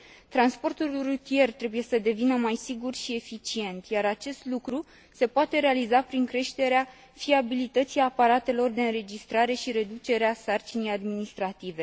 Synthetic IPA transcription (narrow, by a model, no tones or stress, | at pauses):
t̪ɾanspo̞rt̪ulrut̪ie̞rt̪ɾe̞buje̞səd̪e̞vinəmajsiɡurʃie̞fit͡ʃie̞nt̪jaɾat͡ʃe̞st̪lukɾu | se̞poat̪e̞ɾealizapɾiŋkɾe̞ʃt̪e̞ɾea | fiabilit̪ət̪siapaɾat̪e̞lo̞rd̪e̞ɨnɾe̞d͡ʒist̪ɾaɾe̞ʃiɾe̞d̪ut͡ʃe̞ɾeasart͡ʃinijad̪minist̪ɾat̪ive̞